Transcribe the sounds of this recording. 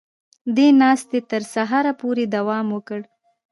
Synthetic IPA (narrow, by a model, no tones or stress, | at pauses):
d̪enɑst̪et̪əɾsaɦɑɾapoɾed̪awɑmwəkəɽ